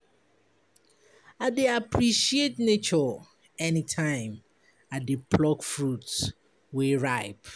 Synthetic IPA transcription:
adeapʰɹiʃietnet͡ʃɔ | ɛnitʰãɪ̃m | adepʰlɔkfɹuts | weɹaɪp

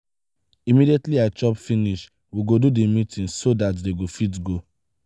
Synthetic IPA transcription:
imidietliat͡ʃɔpfiniʃ | wiɡodudemitʰĩnsodatdeɡofit̬ɡo

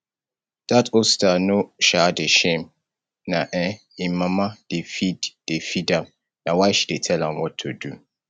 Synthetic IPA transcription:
d̥atostanoʃadeʃẽm | naʔɛ̃ | imamad̥efidd̥efidãm | nawaɪʃidetʰɛlãmwɔtʰːodu

